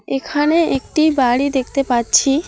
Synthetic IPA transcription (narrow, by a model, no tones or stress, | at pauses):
ekʰaneekʈibaɽid̪ek̚ʰt̪epaɾt͡ɕʰi